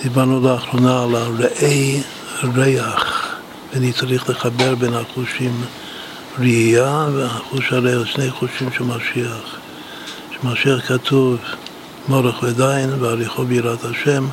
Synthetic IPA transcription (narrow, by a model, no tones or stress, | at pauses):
d̪̥ibanulaaχɾonaːlaɾeʔej | ɾejaχ | venit͡saɾiχleχabeɾbenhaχuʃim | ɾiaveaχuʃaɾeʃnejχuʃimʃɛlmaʃiaχ | ʃemaʃiaχkat̪ʰuv | moɾeχved̪ajinveaɾiχobiɾat̪haʃem